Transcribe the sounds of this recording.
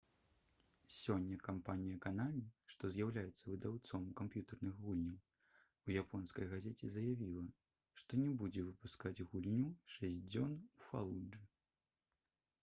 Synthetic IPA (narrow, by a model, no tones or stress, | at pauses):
sʲɔnʲːɐkampanʲijɐkanamʲiʂt̪ɔzʲjawlʲajɛt̪sːɐvɨd̪awt̪sɔmukampjut̪ɐrnɨxɣulʲnʲɐw | ujapʰɔnskɐjɣazʲet͡sʲɛzɐjavʲilˠɐ | ʂt̪ɔnʲɛbud͡zʲɛvɨpuskad͡zʲɣulʲnʲuʂɛsʲd͡zʲɔnufa̰lˠuɨ